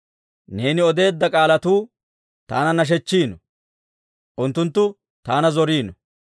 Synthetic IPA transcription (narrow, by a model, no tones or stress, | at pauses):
ne̞ːnɪɔd̪e̞ːd̪ːɐkʼaːlɐt̪uː | t̪a̰ːnɐnɐʃ̬ɛt͡ʃːiːnɔ | ʔʊnt̪ːʊnt̪ːʊ | t̪aːnɐzɔɾiːnɔ